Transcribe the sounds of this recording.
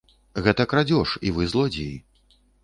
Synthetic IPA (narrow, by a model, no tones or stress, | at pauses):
ɣɛt̪ɐkɾad͡zʲɔʂivɨzlˠɔd͡zʲii